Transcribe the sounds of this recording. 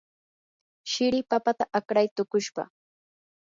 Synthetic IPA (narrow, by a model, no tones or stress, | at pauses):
ʃɪɾɪpapat̪aʔakɾajt̪ʊkʊʃpɑ̰